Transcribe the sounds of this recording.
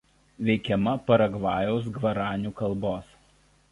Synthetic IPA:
ʋʲɛɪkʲɛmɐpɐɾɐɡʋɑːjɛʊs̬ɡʋɐɾɑːnʲuːkɐlˠˑboːs

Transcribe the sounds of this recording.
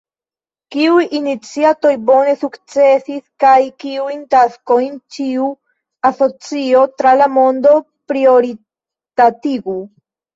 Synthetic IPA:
kiujinit͡siato̞jbo̞ne̞sukt͡se̞siskajkiujntasko̞jnt͡ʃiu | aso̞t͡sio̞tɾalamo̞ndo̞ | pɾio̞ɾi | tatiɡu

